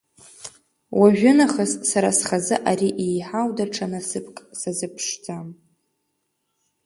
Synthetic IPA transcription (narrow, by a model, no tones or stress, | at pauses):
waʒᶣʊnaχassaɾa̰sχazɨʔaɾiʔejħawdaʈ͡ʂʰanasɨpʰkʼsazɨpʰʂd͡zam